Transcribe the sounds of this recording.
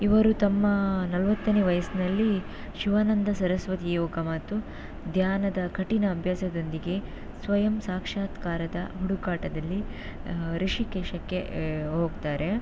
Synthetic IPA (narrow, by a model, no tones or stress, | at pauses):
iʋɐɾut̪ɐmːɐnɐlʋɐt̪ːɐneːʋɐjɐsnɐlːi | ʃiʋaːnɐnd̪ɐsɐɾɐsʋɐt̪ijɔːɡɐmɐt̪ːu | d̪ʱjaːnɐd̪ɐkʰɐʈinɐːbʱjaːsɐd̪o̞nd̪iɡe̞ | sʋɐjɐmsaːkʂaːt̪kaːɾɐd̪ɐɦuɽukaːʈɐd̪ɐlːi | ɾiʂikeːʃɐkːe̞ɦoːɡt̪aːɾe̞